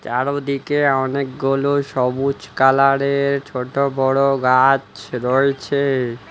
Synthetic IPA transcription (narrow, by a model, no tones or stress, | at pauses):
t͡ɕaɾod̪ikeɔnekɡoloʃɔbut͡ɕkalaɽeɾt͡ɕʰoʈobɔɽoɡat͡ɕɾɔet͡ɕʰe